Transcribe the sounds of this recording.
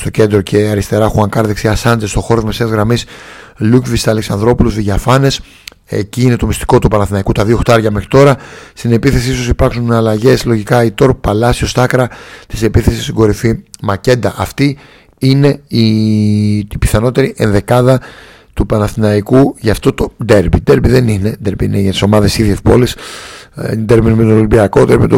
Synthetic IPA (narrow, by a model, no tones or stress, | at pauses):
st̪o̞ce̞nd̪ɾo̞cʰe̞ɐɾist̪e̞ɾɐxuɐŋkɐɾðiksiɐsɐnd̪est̪o̞xo̞ɾomesezɣɾɐmislukvist̪ɐleksɐnðɾo̞puluzðiʝɐfɐne̞s | ḛciine̞t̪o̞mist̪i̥ko̞t̪upɐnɐθinɐikut̪ɐðio̞xt̪ɐɾʝɐme̞xɾit̪o̞ɾɐst̪ine̞piθe̞sisosipɐɾksunɐlɐʝe̞slo̞ʝikɐit̪o̞ɾpɐlɐsio̞st̪ɐkɾɐt̪i̥se̞piθe̞sist̪iɡo̞ɾifimɐce̞nd̪ɐʔɐft̪i | ine̞i | ipi̥θɐno̞t̪e̞ɾiʔe̞nðe̞kɐðɐ | t̪upɐnɐθinɐikuʝɐft̪o̞t̪od̪eɾbid̪eɾbiðe̞nine̞d̪e̞ɾbiineʝɐt̪i̥so̞mɐðe̞ssiðjespo̞lis | d̪e̞ɾbinmet̪olimbiɐkod̪eɾbimet̪